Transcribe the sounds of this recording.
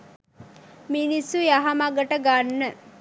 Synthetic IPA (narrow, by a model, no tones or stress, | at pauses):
minisujaɦamaɡəʈəɡanːə